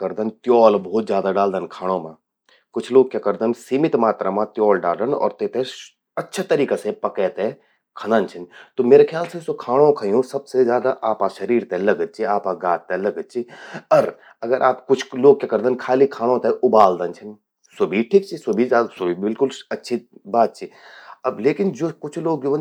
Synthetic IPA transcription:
kɐɾd̪ənt̪jɔːlbɔːt̪zʲjaːd̪aɖaːld̪ənkʰaːɽ̃õmã | kʊt͡ʃʰloːɡ̚kekɐɾd̪ənsiːmɪt̪maːt̪ɾamãt̪jɔːlɖaːlənɔ̰ːɾt̪et̪e | ɐtːʃʰat̪ɐɾiːkasepɐkɛt̪e | kʰɐnənt͡ʃʰɐnt̪omeːɾekʰjaːlsesokʰaːɽ̃õkʰɐjoũsɐb̚sezjaːd̪aʔaːpaʃɐɾiːɾt̪elɐɡəd̪̚t͡ʃʰiaːpaɡaːt̪̚ːelɐɡəd̪̚t͡ʃʰiɔɾ | ɐɡəɾʔaːpkʊt͡ʃʰloːɡ̚kakɐɾd̪ənkʰaːlikʰaːɽ̃õt̪eʊbaːld̪ənt͡ʃʰɐn | sobʱiʈʰiːk̚t͡ʃʰisobʱizaːd̪sʊbibɪlkʊlɐtːʃʰibaːt̪̚t͡ʃʰiɐbleːkɪnd͡ʒoːkʊt͡ʃʰloːɡ̚d͡ʒoː

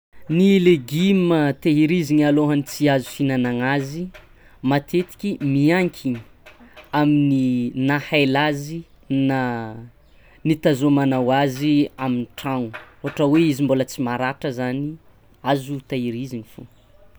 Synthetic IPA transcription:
nileɡimət̪eɦiɾiziɲaloɦanit͡siazu̥finanaŋazi | mat̪ʰet̪i̥kʲimiaŋkʰʲiɲi | amininahajlazi | na | nit̪azomanawaziaminiʈ͡ʂaŋuoaʈ͡ʂəweizimbolət͡simaɾaʈ͡ʂəzani | azut̪aiɾiziɲifo̰

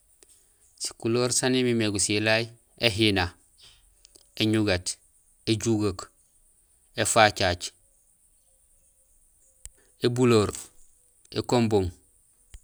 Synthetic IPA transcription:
si̥kuloːɾsanimimeɡusilaj | eɦina | eɲuɡat | eɟuɡak | efaːt͡ʃat͡ʃ | ebuloːɾ | ḛkomboŋ

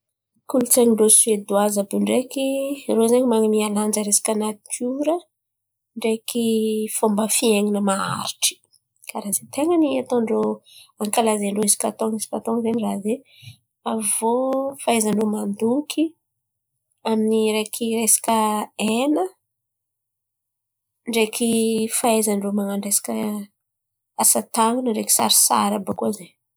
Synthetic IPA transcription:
kulut͡seŋiɳɖ͡ʐoswed̪uazəbuɳɖ͡ʐekirozeɲimaŋimialand͡ʒəɾesḁkanai̥kʰuɾə | ɳɖ͡ʐekifombəfieŋinəmaa̰ɾiʈ͡ʂi̥ | kaɾazet̪eŋəniat̪õɳɖ͡ʐoaŋkalazeɳɖ͡ʐoisi̥kat̪oŋisi̥kat̪oŋzeniraze | avofaezaɳɖ͡ʐomand̪ukʰi | aminiɾekʰiɾesḁkʲəenə | ɳɖ͡ʐekʰifaezaɳɖ͡ʐomaŋaɳɖ͡ʐesḁkʲə | asat̪aŋunəɳɖ͡ʐeki̥sa̰ɾi̥sa̰ɾabokuaze

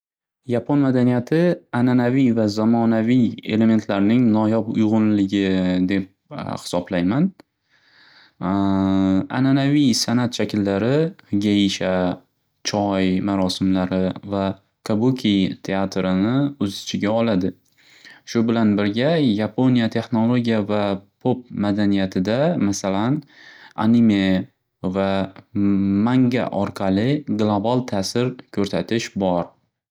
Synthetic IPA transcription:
japʰonmad̪anijat̪ʰɪananavijvazamɒnavije̞̰le̞me̞nt̪ʰlaɾnɪŋnɒjɒpʊ̰jʁʊnlɪɡʲɪd̪e̞p̚hɪ̥sɒblajman | a̰nanavijsanat̪ʃakʲʰɪlːaɾɪɡʲaɪʃa | t͡ʃʰɒjmaɾɒsɪmlaɾɪva | kʰabukʲʰit̪ʰe̞at̪ɾɪnɪʊzɪt͡ʃʰɪɡʲaɒlad̪ɪ | ʃʊbɪlanbɪɾɡʲajapʰo̞nijat̪ʰe̞χno̞lˠo̞ɡʲijavapʰop̚mad̪anijat̪ʰɪd̪amasalana̰nime̞ | va | maŋɡʲa̰ʔɒɾqʰɑlˠɪɡlˠobalˠt̪ʰaːsɪɾkʲʰɵɾsat̪ʰɪʃbɒɾ

